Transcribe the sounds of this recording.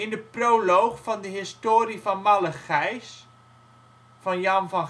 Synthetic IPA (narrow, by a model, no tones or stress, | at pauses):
ɪndəproːlowχfɔndəɦɪstoːɾifɔnmaləxɛjs | fɑnjɑnvɑn